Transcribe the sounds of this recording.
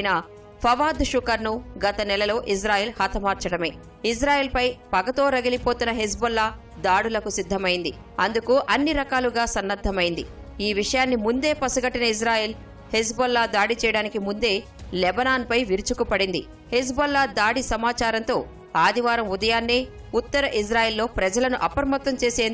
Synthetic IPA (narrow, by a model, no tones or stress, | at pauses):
na | pʰɐʋaːd̪ʂukɐɾnuɡɐt̪ɐnɛlɐlo̞ːʔis̬ɾaːjeːlhɐt̪ʰɐmaːɾt͡ʃɐɽɐme̞ː | is̬ɾaːjeːlpɐjpɐɡɐt̪o̞ːɾɐɡɐlipoːt̪unːɐɦes̬bɐlːa | d̪aːɽulɐkusid̪ʱːɐmɐjind̪i | ɐnd̪ukuʔɐnːiɾɐkaːluɡaːsɐnːɐd̪ʱːɐmɐjind̪i | iːʋiʂɐjaːnːimund̪e̞ːpɐsuɡɐʈːinɐis̬ɾaːjeːl | hes̬bɐlːaːd̪aːɽit͡ʃɛjɐɽaːnikimund̪e̞ː | lɛbɐnaːnpɐjʋiɾut͡ʃukupɐɽind̪i | hes̬bɐlːaːd̪aːɽisɐmaːt͡ʃaːɾɐnt̪o̞ː | aːd̪iʋaːɾɐmud̪ɐjaːnːiː | ut̪ːɐɾɐʔis̬ɾaːjeːlːo̞ːpɾɐd͡ʒɐlɐnuʔɐpɐɾɐmɐt̪ːɐmt͡ʃe̞ːseː